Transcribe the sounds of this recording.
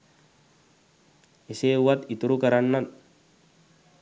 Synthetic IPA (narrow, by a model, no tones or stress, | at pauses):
ʔɪseːwɐt̪ɪt̪ʊɾʊkɐɾɐnːɐn